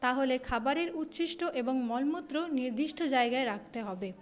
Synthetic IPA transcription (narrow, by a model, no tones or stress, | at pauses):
t̪aɦolekʰabaɾeɾut̪ːɕiʃʈoʔeboŋmɔlmot̪ːɾoniɾd̪iʃʈʰod͡ʑaeɡaeɾakʰt̪eɦɔbe